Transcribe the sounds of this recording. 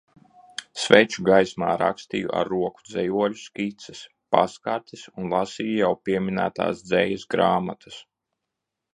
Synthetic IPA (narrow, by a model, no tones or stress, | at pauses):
svɛjt͡ʃuɡajsma̰ːɾa̰kst̪ijṵʔa̰ɾːuɔku̥d̪zɛjuɔlʲuskʲit̪sɛ̥s | pa̰skaɾt̪ʲisunlˠasiːjujawpʲiɛmʲinæːt̪a̰ːsd̪zɛjɐsɡɾaːmat̪ʰḁs